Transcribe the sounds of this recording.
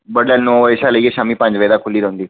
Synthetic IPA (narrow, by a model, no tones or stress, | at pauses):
bəɽlɛlnõeːʃaːləieʃaːmiːpə̃ɲd͡ʒʋəjd̪aːkʰʊliːɾəʊ̃nd̪iː